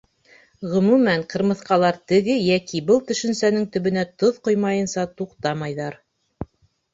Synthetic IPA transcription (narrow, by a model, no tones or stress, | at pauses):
ʁɵ̆mʉmæɴqɤ̆ɾmɤ̆θqɑlˠɑɾt̪ɘ̆ɡɘjækibɤlˠt̪ɵ̆ʃɘ̆nsænɘŋt̪ɵ̆βɘ̆næt̪oðqojmɑjɤ̆nsɑt̪uqt̪ɑmɑjðɑɾ